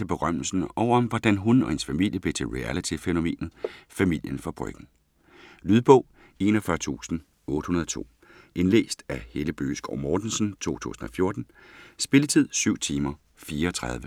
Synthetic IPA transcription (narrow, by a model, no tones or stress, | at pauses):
e̝b̥e̝ʁɶm̰l̩sn̩ɒʊ̰ɐɒmʋɒd̥ænɦunɒ̽hensfæmil̰jəb̥e̝t͡sʰe̝lʁiælit͡sʰifeno̝me̝̰ːnð̩ˠfæmil̰jənfʁɑ̈b̥ʁœ̰ɡ̥n̩ | lyð̞ˠb̥ɔ̽ʊ̰ | e̝nɒfɶɐt͡sʰṵːsn̩ | ɔ̽ːd̥ə̥hunɐð̞ˠt͡sʰo̝̰ː | ʔe̝nlḛːsd̥æheləb̥ø̰ːsɡ̥ɒʊ̰mɒːd̥n̩sn̩t͡sʰo̝̰ːt͡sʰṵːsn̩ɒ̽fjo̝ɐd̥n̩ | sb̥e̝lət͡sʰið̞̰ˠsyʊ̰t͡sʰiːmɐ | fiːɐɒ̽t͡sʰʁað̞ˠʋə